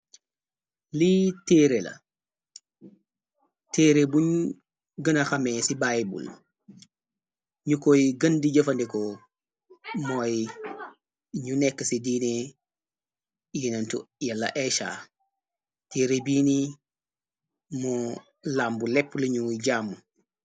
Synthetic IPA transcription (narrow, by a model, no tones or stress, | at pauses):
litɛːɾɛla̰ | tɛːɾebuɲ | ɡɐnaxamɛsibajbṵl | ɲukɔjɡɐndid͡ʒɐfandɛkɔ | mɔj | ɲunɛkːsidiːne | jinantṵjalːa̰ʔɛʃa̰ | teːɾebiːni | mɔ | lambulɛpːliɲuɟaːmu